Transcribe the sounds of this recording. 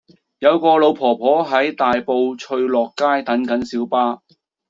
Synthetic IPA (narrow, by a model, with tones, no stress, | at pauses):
jɐ˨˧wkɔː˧lo˨˧wpʰɔː˨˩pʰɔː˨˥ɦɐ˨˥jt̪aː˨jpo˧wt͡ʃʰɵ˧ɥlɔː˨kːaː˥jt̪ɐ˨˥nkɐ˨˥nsiː˨˥wpaː˥